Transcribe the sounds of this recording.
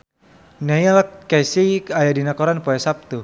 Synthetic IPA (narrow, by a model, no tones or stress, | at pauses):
nɛjalkːajsikajadinakɔɾanpɔɛsap̚t̪u